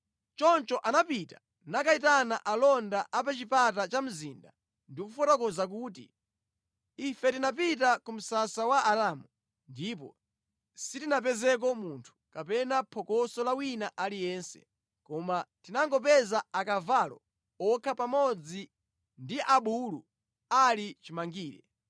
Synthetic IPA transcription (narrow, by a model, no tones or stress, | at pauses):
t͡ʃɔnt͡ʃɔʔanapitḁ | nakaitanaʔalɔndaʔapɛt͡ʃipat̬at͡ʃam̩zinda̰ | ndikufɔtɔkɔzak̬uːtḭ | ifɛtinap̬it̬akum̩sasawaʔaɾamu | ndipɔ̰ | sitinap̬ɛzɛk̬ɔmuntʰu̥kapɛnapʰɔkɔsɔlawinaʔalijɛnsɛ̥̰ | kɔmatinaŋɡɔpɛzaakavalɔ̰ | ɔkʰapamɔd͡zi | ndiʔaɓulu | alit͡ʃimaŋɡiːɾɛ̰